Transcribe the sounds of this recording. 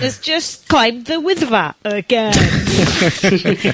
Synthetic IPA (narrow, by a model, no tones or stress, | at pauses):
əzd͡ʒəst̚kʰl̥ajmðəwɪðvaoɡ̥ɛ